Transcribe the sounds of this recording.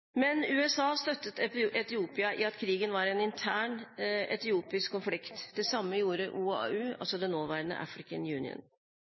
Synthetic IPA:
mɛnʉːɛsɑːst̪œt̪ːət̪ʔɛt̪ɪuːpɪɑʔɪɑt̪kʰɾiːɡənʋɑɾɛnɪnt̪ʰæːɳɛt̪ɪuːpɪskkːʊnflɪkt̪d̪ɛsɑmːəjuːɾəʔuːɑʉːʔɑ̰lsɔd̪ɛnoːʋæːɾənə̰ʔɑ̰fɾɪkənjʉːnɪ̰ə̰n

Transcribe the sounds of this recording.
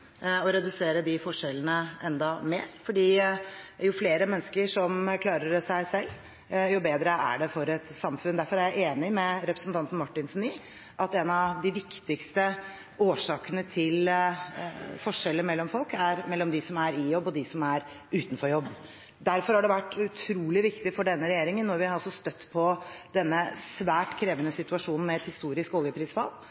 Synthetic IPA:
ɔɾɛd̪ʉseːɾəd̪ɪfɔʂɛlːənəʔɛnd̪ɑmeːɾfɔɖiː | jʊfleːɾəmɛnːskəʂɔmkʰlɑːɾəɾsæɪsɛlː | jʊbeːd̪ɾəæ̰ɖɛfɔɾɛt̪sɑmfʉnd̪æɾfɔɾæɾjæɪʔeːnɪmɛɾɛpɾəsnt̪ʰɑnt̪n̩mɑʈːɪnsniː | ʔɑt̪ɛnɑʋd̪ɪʋɪkt̪ɪkst̪ə | oːʂɑːkənət̪ʰɪl | fɔʂɛlːəɾmɛlːɔmfɔlˠkæɾmɛlːɔmd̪ɪsɔmæɾɪjɔbːɔd̪ɪsɔmæɾ | ʉːt̪n̩fɔɾjɔbː | d̪æɾfɔɾhɑɖɛʋæʈːʉt̪ʰɾuːlɪʋɪkt̪ɪfɔɖɛnːəɾɛjeːɾɪŋənːɔɾʋɪhɑɾɑlsɔst̪œt̪ːpʰɔd̪ɛnːəsʋæːʈkʰɾeːʋənəsɪt̪ʉɑʂuːnn̩mɛɛt̪hɪst̪uːɾɪskoːljəpʰɾiːsfɑ̰lː

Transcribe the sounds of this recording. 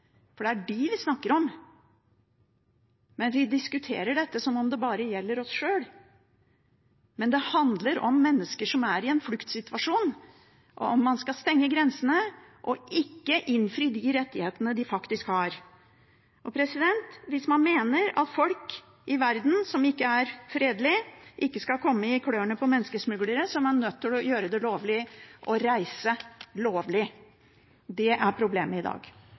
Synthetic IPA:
fɔɖɛæɖɪʋɪsnɑkːəɾɔm | mɛnʋɪd̪ɪskʉt̪ʰḛːɾəɖɛt̪ːəsɔmɔmd̪ɛbɑːɾəjɛlːəɾɔsʂøːl | mɛnd̪ɛhɑnd̪ləɾɔmːɛnːəskəʂɔmæɾɪɛnflʉkt̪sɪt̪ʉʋɑʂuːn | ʔɔ̰ɔmːɑnskɑst̪ɛŋːəɡɾɛnsənəʔɔʔɪkːəʔɪnfɾiːd̪ɪɾɛt̪ːɪheːt̪ənəd̪ɪfɑkt̪ɪskhɑɾ | ʔɔpʰɾɛsɪd̪ɛnt̪ʋɪsmɑnmeːnəɾɑ̰t̪fɔlk | ɪʋæɾd̪n̩sɔmɪkːəæɾfɾeːd̪lɪʔɪkːəskɑlkʰɔmːəɪkʰɽøːəɳəpʰɔmɛnːəskəsmʉɡləɾəsɔmænœt̪ːɪlɔjøːɾəd̪ɛloːʋlɪʔɔɾæɪsəloːʋlɪ | d̪ɛʔæɾpʰɾʊbleːməɪd̪ɑ̰ːɡ

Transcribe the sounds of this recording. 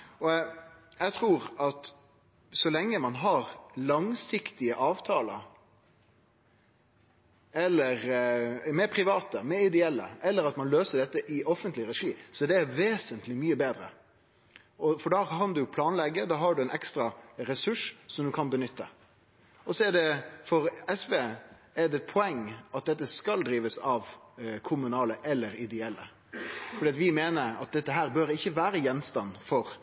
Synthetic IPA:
ɔjæɪt̪ʰɾuːɾɑt̪ | sɔlɛŋːəmɑnɦɑɾlɑŋsɪkt̪ɪəʔɑːʋt̪ʰɑːlə̰ | ɛlːəɾmɛpʰɾɪʋɑːt̪əmɛɪd̪ɛɛlːə̰ʔɛlːəɾɑt̪mɑnløːsəɖɛt̪ːəʔɪʔɔfənt̪lɪɾɛʂiːsɔd̪ɛæʋeːsənt̪lɪmyːəbeːd̪ɾə̰ | ɔfɔɖɑːkʰɑnd̪ʉpʰlɑːnlɛɡːəd̪ɑːɦɑɖʉɛnɛkst̪ɾɑɾɛsʉʂsɔmd̪ʉkʰɑnbənʏt̪ʰːə̰ | ɔsɔɛɖɛfɔɾɛsʋeː | ɛd̪ɛɛt̪̚pʰɔɛŋːʔɑt̪̚d̪ɛt̪ːəskɑld̪ɾiːʋəsɑʋkʰʊmʉnɑːləʔɛlːəɾɪd̪ɛɛlːə̰ | fɔɾɖiːɑt̪ʋɪmeːnəɾɑ̰t̪̚d̪ɛt̪ːəɦæːɾbøːɾɪçːəʋæːɾəjɛnːst̪ɑnfɔɾ

